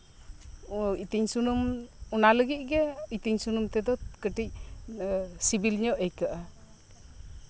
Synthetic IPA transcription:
it̪iɲsunumunaləɡit̪̚ɡɛit̪iɲsunumt̪ɛd̪ɔkəʈic̚ | sibilɲɔʔɛjkaʔa

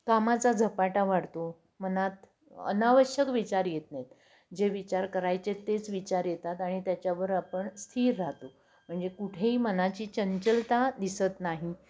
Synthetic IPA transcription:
kamat͡sad͡zʱəpaʈaʋaɽt̪o | m̤ənat̪ | ə̰naʋəɕjəkʋit͡ɕaɾjet̪net̪ | d͡ʑeʋit͡ɕaɾkəɾajt͡set̪ːet͡sʋit͡ɕaɾjet̪at̪aɽ̃it̪jat͡ɕjaʋəɾapəɳst̪ʰiːɾːaɦt̪o | m̤əɳd͡zekuʈʰeiːmənat͡ɕiːt͡ɕəɲt͡ɕəlt̪ad̪isət̪naɦi

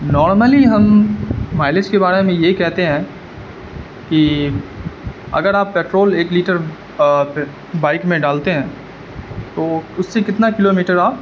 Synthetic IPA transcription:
nɔːɾməliɦɐmː | aːɪlɪd͡ʒkebaːɾemẽjekɛɦt̪eɦɛ̃ː | ki | ɐ̰ɡəɾaːpːeːʈɾoːleːkliːʈəɾ | baːɪkmẽɖaːlt̪eɦɛ̃ː | t̪oːʊsːekɪt̪nakɪloːmiːʈəɾaːp

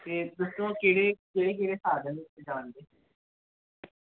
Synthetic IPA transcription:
t̪eːd̪ʊsɾõːkeːɽeːkeːɽeːk̬eːɽeːsaːd̪əld͡ʒaːɳd̪eː

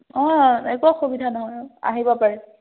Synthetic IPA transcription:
ɔɛkaxubidʱanɔɦɔja̰ɦibɔpaɹɛ

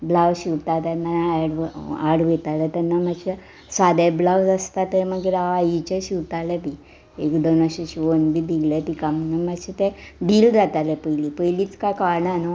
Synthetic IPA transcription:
blawɕiʋt̪at̪anːaɽaɽʋet̪alat̪anːamaɕe | sʋad̪eblawd͡zəst̪at̪ɛməɡeɾaajit͡ɕeɕiʋt̪alɛbi | ekd̪onaɕeɕionbʱib̪ʱiɡlɛt̪ikamnamaɕet̪ɛ̃b̪iːld͡zat̪alɛpəjliːpəjliːt͡skakaɾɳano

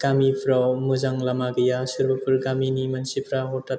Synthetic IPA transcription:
ɡ̥amipʰɾawmɯzaŋlamaɡɯjasɯɾbapʰɯɾɡaminimansipʰɾaɦɔta

